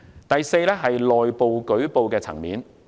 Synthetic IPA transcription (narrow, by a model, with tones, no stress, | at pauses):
t̪ɐ˨jse˧jlɛː˥ɦɐ˨jlɔː˨jpo˨wkɵ˨˥ɥpo˨wkɛː˧t͡sʰɐ̰˨˩ŋmḭː˨˥n